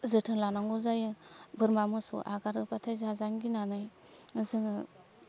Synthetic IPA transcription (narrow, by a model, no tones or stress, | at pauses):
zɯtʰɯŋlanaŋɡɔzajɯbɯɾmamɯsɔ̰ʔaɡaɾɯpatʰajzazaŋɡinanɯj | zɯŋɯ